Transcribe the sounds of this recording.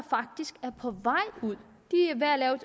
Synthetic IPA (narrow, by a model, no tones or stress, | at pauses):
fɑ̈ɡ̥̚d̥isɡ̥æɐpʰɒ̽ʋɑ̈ɪ̰uð̰ˠ | d̥iæʋæælɛːʊ